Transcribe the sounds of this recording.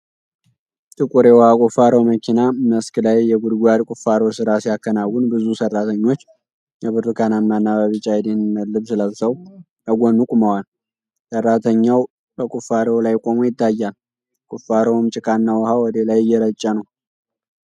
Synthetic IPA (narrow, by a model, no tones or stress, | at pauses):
t̪ʰʼɨkʼuɾewɔhakʼufaɾəwməkʰinaməsklajːɛɡud̪ɡʷad̪kʷʼʊfːaɾowsɨɾasijakːənawːunbɨzusərːat̪ʰəɲːo̞t͡ʃː | jɛβɨɾɨkananmanːaβaβɨt͡ʃʼajd̪enməlːɨβsɨləsəw | əɡʷonukʼʊməwal | sərːat̪ʰəɲːaw | bəkʼʊfaɾəwlajkʼo̞mujɪt̪ʰːajːal | kʼʊfːaɾəwmt͡ʃʼɪkʼʰanːawɔhawɔd̪elajɪjːɛɾət͡ʃʼːənəw